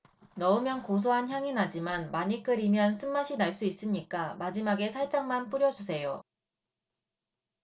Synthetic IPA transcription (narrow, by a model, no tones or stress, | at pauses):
nʌɯmjʌnkos̬ʰoɦançjaŋinad͡ʑimanmaɲik͈ɯɾimjʌns͈ʰɯmːaɕʰinaɭs͈uis͈ɯmɲik͈amad͡ʑimaɡe̞sʰaɭt͡ɕ͈aŋmanp͈uɾjʌd͡ʑusʰe̞jo